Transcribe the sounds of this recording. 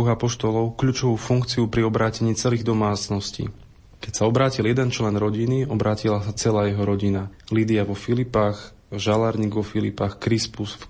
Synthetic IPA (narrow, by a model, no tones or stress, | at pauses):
uɣapɔʃt̪ɔlɔʊkʎuːt͡ʃɔʋuːfuŋkt͡siupɾiɔbɾaːcɛɲiːt͡sɛliːɣd̪ɔmaːt͡snɔscḭ | kɛcsaɔbɾaːciljɛd̪ɛnt͡ʃlɛnɾɔɟiniɔbɾaːcilasat͡sɛlaːjɛɦɔɾɔɟinaliːd̪iaʋɔfilipax | ʒalaɾɲiːɡʋɔfilḭpaxkɾispusf